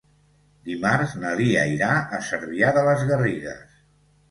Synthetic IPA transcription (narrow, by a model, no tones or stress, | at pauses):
d̪imaɾznəðiəiɾaʔəsəɾβiaðələzɣəriɣə̰s